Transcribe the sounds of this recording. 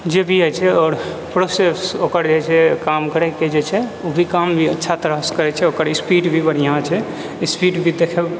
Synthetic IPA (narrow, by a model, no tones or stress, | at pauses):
d͡ʒebʱiəjt͡ʃʰɛɔːɾ | pɾosesokəɾd͡ʒet͡ʃʰɛkamkəɾɛked͡ʒet͡ʃʰɛobʱikambʱiətːʃʰat̪ɾəskəɾɛt͡ʃʰɛokəɾispiɖbʱipəɾjəɦãt͡ʃʰɛ | ispiɖbʱid̪ekʰɛ